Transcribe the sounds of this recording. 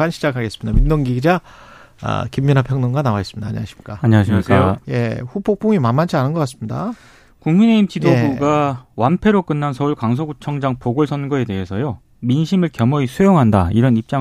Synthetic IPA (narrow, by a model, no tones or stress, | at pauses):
anɕʰid͡ʑakʰaɡe̞s͈ɯmɲid̥̪a̰mimnoŋɡiɡid͡ʑa | a̰kimːinapʰjʌŋnoŋɡanawaes͈ɯmɲida̰ːɲḭaɕʰi̥mik͈aaɲiaɕʰiik͈aoje̞ɸupʰok̚pʰoŋimamːant͡ɕʰianɯnɡʌk͈as͈ɯmɲida̰ | kuŋmine̞imt͡ɕidobuɡawanpʰe̞ɾok͈ɯnːansʰʌuɭkwaŋsʰoɡut͡ɕʰʌŋd͡ʑaŋpoɡoɭsʰʌnɡʌe̞de̞ɦe̞sʰʌjo | minɕʰimɯɭkjʌmʌisʰujoŋɦandaiɾʌnip̚t͡ɕ͈a